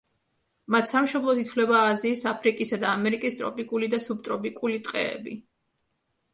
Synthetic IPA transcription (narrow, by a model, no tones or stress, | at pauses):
mat̪ʰsamʃɔmlˠɔt̪ʰit̪ʰvlɛbaːziːsapʰɾikʼisad̪aːmɛɾikʼist̪ʼɾɔ̰pʼikʼulid̪asub̚t̪ʼɾɔpʼikʼulit̪ʼqʼɛ̰ːbi